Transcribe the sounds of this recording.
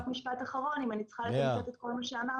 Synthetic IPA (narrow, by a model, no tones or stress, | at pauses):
fmiʃpat̪aχaʁo̞nimanit͡sχaleot̪et̪ko̞lmaʃeana